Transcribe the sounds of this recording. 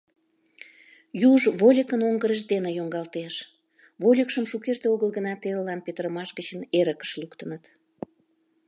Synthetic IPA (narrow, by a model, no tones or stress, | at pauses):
juʒβolʲəkənoŋɡəɾəʃd̪enejoŋɡɑlt̪eʃ | βolʲəkʃəmʃukert̪eoɣəlɣənɑt̪eləlɑnpet̪əɾəmɑʃɡət͡ɕəneɾəkə̥ʃlukt̪ənət̪